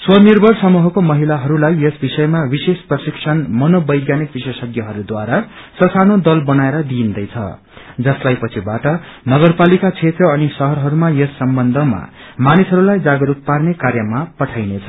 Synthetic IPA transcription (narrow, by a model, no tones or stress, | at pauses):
swʌrnirbʱʌrsʌmuɦʌkomʌɦilaɦʌɾulajesbisʌjmabisesprʌsiksʰʌnmʌnobʌjɡjanik̚bisesʌɡjʌɦʌɾud̪waɾa | sʌsanod̪ʌlbʌnaeɾʌd̪iind̪ʌjt͡sʰʌ̰ | d͡zʌslajpʌt͡sʰibaʈʌnʌɡʌrpalikat͡sʰet̪rʌʌnisʌɦʌɾɦʌɾumajesːʌmbʌnd̪ʱʌma̰ | manisɦʌɾulajd͡zaɡʌɾuk̚parnekarjʌmapʌʈʰajnet͡sʰʌ